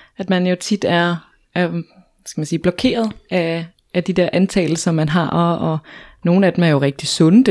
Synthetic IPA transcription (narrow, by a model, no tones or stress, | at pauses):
æd̥mænjo̝t͡sʰid̥æɐ | æɐ | sɡ̥æmænsiːb̥lɒkʰe̝̰ːɐð̞ˠʔæ | ʔːd̥id̥e̝ɐ̰ʔænt͡sʰɛ̰ːləsɒ̽mːænɦɑ̈ʔɒɒ̽no̝ːn̩æd̥emæɐjo̝ʁɛɡ̥̚d̥isɔ̽nəd̥